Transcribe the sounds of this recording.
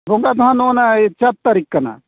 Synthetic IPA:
bʱoŋɡad̪ɔɦanonat͡ʃat̪̚ːaɾikːana̰

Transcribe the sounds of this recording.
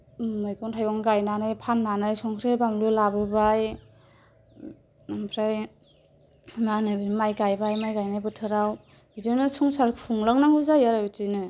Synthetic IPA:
mɯjkɔntʰajɡɔŋɡajnanɯjpʰanmanɯjsɔŋkʰɾebamlulabɯbaj | ampʰɾaj | manɯbɯnimajɡajbajmajɡajnajbɯtʰɯɾaw | bidɯnɯsuŋsaɾpʰuŋlaŋnaŋuzajaɾajutinɯ

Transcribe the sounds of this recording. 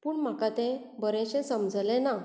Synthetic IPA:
puːɳm̤akat̪ɛ̃ | bəɾɛ̃ɕɛ̃səmd͡zlɛ̃na

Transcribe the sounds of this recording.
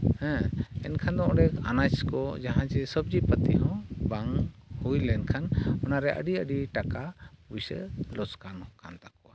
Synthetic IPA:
hɛ̃ɛ̰nkʰand̪ɔ̃ɔɖɛka̰nat͡ʃkɔd͡ʒaɦãd͡ʒɛsəb̚d͡ʒipət̪iɦɔ̃baŋhujlɛnkʰanɔnaɾɛʔə̰ɖiəɖiʈakabujsɛ̰lɔskanɔkant̪akɔwa

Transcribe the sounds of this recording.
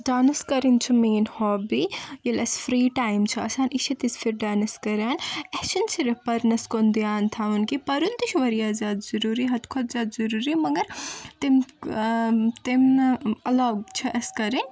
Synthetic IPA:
daːnɐskɐɾint͡ʃʰumiːnhɔːbijilɐsfɾiːʈaːjmt͡ʃʰiɐsaːnʔiʃʰit̪isfʰiɾɖaːnɐskɐɾjaːnɛt͡ʃɐnt͡ʃʰiɾepɐɾnɐskond̪ijaːnt̪ʰaːʋunkipɐɾunt̪iʃʋɐɾijaːzjaːd̪zɐɾuːɾiɦɐt̪kʰot̪zʲaːd̪zɐɾuɾimɐɡɐɾt̪im | t̪imɐlɐɡt͡ʃʰɐʔɐskɐɾin

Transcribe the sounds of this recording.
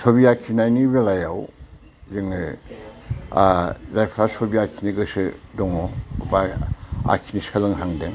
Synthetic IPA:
sobiakʰinajnibelajaw | ziŋɯ | zajpʰɾasobiakʰiniɡɯsɯdɔŋɔbaa̰kʰiniskʰalɯŋɦaŋdeŋ

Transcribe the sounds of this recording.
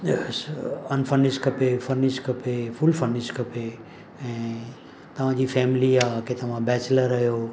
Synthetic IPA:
ɛsɐnfəɾnɪʃkɐpefəɾnɪʃkɐpefʊlfəɾnɪʃkɐpe | ɛ̃ː | t̪ɐʋ̤ãd͡ʑiːfɛːmɪliaːket̪ɐʋ̤ãbɛːt͡ɕləɾːɐɦjoː

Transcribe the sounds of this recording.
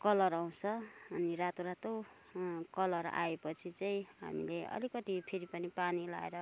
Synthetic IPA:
kʌlʌɾaw̃t͡sʰʌː | niɾat̪oɾat̪o | kʌlʌɾa̰epʌt͡sʰit͡saĩɦa̰mḭleʌ̰likʌt̪ipʰeɾipʌnipanila̰eɾʌ

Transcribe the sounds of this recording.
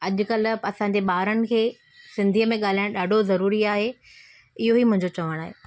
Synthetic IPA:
ɐʄʊ̆kɐl̆ɐsãːɲ̆d͡ʑeɓaːɾənɪ̆kʰeː | sɪ̃nd̪ʱijəmẽɠaːl̤aːɪ̃ɗaːɖʱozɐɾuːɾiaːɦe | ɪɦoɦimʊ̃ɦɪ̃ɲd͡ʑot͡ɕɐʋəɽ̃aːɦeː

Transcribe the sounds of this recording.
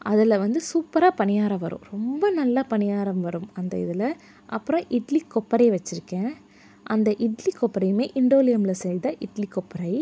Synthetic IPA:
ɐðɪlɐʋɐnd̪ɯsuːpːɐɾaːpɐnɪjaːɾɐʋɐɾɯ̰̃ɾɔmbɐnɐlːapɐnɪjaːɾɐmʋɐɾɯmɐnd̪ɐ̰ɪ̰ðɪlɐ | ʔɐpːɯɾɔ̃ʔɪʈlikːɔpːɐɾɐʋɐt͡ʃːɪɾɯkːɛ̃ː | ʔɐnd̪ɐʔɪʈlikːɔpːɐɾɐɪjmeːʔɪɳɖoːlɪjɐmɪlɐsɛjd̪ɐʔɪʈlikːɔpːɐɾɐɪ

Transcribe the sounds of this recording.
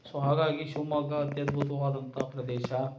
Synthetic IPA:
soːɦaːɡaːɡiʃumaɡɐːt̪jɐd̪bʱut̪ɐʋaːd̪ɐnt̪ʰɐpɾɐd̪eːʃɐ

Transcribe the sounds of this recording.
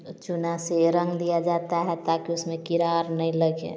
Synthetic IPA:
t͡ʃʊnaseɾə̃ŋɡd̪ijad͡ʒaːt̪aɦɛt̪akiʊsmẽkiɾaɾnəĩləɡḛ̃

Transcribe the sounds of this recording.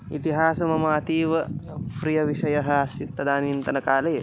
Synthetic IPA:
ḭt̪iɦaːsɐmɐmaːt̪iːʋɐpɾijɐʋiʃɐjɐɦɐsit̪ːɐd̪aːnint̪ɐnɐkaːleː

